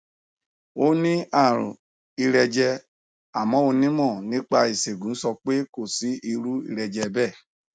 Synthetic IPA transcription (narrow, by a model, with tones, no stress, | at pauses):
o˦nĩ˦a˦˨ɾṵ̃˨ | i˧ɾɛ˧d͡ʒɛ˧ | a˨mɔ̃˨˦o˧nĩ˦mɔ̃˦˨nĩ˦k͡pa˧i˨se˨ɡũ˨n̩˦sɔ˧k͡pe˦ko˦˨si˦i˧ɾu˦ḭ˧ɾɛ˧d͡ʒɛ˧bɛ˦˨